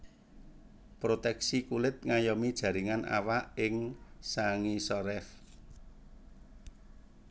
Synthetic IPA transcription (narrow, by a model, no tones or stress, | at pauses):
pɾot̪ɛksikulɪt̪̚ŋajɔmid̥ʒ̥ä̤ɾiŋanʔa̰waʔɪŋsaŋisɔɾɛf